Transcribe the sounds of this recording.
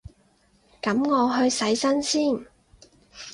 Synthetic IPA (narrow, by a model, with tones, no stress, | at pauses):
kɐ˨˥mŋɔː˨˧ɦɵ˧ɥsɐ˨˥jsɐ˥nsiː˥˩n